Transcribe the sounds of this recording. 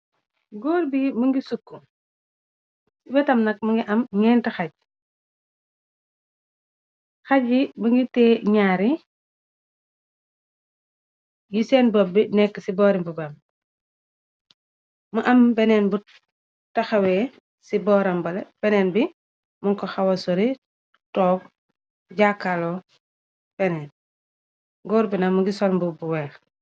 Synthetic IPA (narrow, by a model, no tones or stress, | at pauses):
ɡoːɾbimuŋɡisukːu | sibɛtɐmnɐk̚muŋɡiʔɐmɲɛːntɐxaɟ̚ | xaɟimuŋɡitɛɲaːɾi | jisɛnbɔbːinɛkːsibɔːɾimbubam | muʔɐmbɛnenbu | taxaweː | sibɔːɾɐmbɐleb̥ɛnenbi | muŋkɔxawɐsɔɾi | tɔːb̚ | ɟakalo | b̥ɛnɛːn | ɡɔːɾbinamuɡisɔlmbubuwɛːl